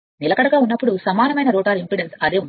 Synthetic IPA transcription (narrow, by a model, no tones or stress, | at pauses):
nilɐkɐɽɐɡaːunːɐpːuɽusɐmaːnɐmɐjnɐɾɔːʈaːɾimpɾiɽensɐd̪e̞ːun